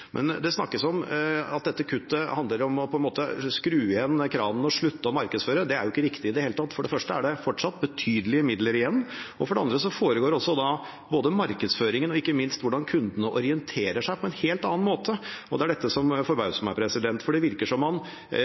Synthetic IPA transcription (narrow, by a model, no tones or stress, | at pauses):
mʔɛ̰nd̪ɛsnɑkːəsɔmɑt̪̚d̪ɛt̪ːəkʰʉt̪ːəhɑnd̪ləɾɔmɔpʰɔɛnmoːt̪əskɾʉːəɛnkʰɾɑːʋn̩ɔʂɭʉt̪ːəɔmɑɾkəd̪sføːɾəd̪ɛæɾjʊɪkːəɾɪkt̪ɪɪd̪ɛheːlət̪ɑt̪ːfɔɖɛfœʂʈəæɖɛfɔʈʂɑt̪̚ːbət̪ʰyːd̪əlɪəmɪd̪ləɾɪjɛnːɔfɔɖɛɑnd̪ɾəsɔfoːɾəɡoːɾɔsːɔd̪ɑ | boːd̪əmɑɾkəd̪sføːɾɪŋənɔɪkːəmɪnst̪ʋʊɖɑnkʰʉnd̪ənəʔɔɾɪɛnt̪ʰeːɾəʂæɪpʰɔɛnheːlt̪ɑːɑnmoːt̪ʰəɔd̪ɛæɖɛt̪ːəsɔmfɔɾbɑʉsmɑpʰɾɛsɪd̪ɛnt̪fɔɖɛʋɪɾkəʂɔmːɑn